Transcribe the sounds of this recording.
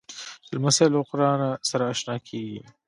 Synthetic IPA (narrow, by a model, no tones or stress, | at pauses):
ɪlmasalqʊɾɑːnasaɾaaʃnɑːkʰeːɡḭ